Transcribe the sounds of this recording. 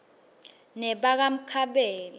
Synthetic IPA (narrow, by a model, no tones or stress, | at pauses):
nɛɓak̬am̩kʰaɓɛːla